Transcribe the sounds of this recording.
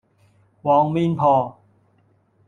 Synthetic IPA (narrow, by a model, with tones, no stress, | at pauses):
wɔː˨˦ŋmi˧npʰɔː˧˩